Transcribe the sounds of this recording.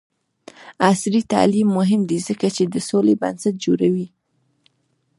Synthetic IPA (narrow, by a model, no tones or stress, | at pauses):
asɾit̪a̰limːʊɦɪmd̪izəkat͡ʃed̪əsoleba̰nsat̪̚d͡ʒoɾawi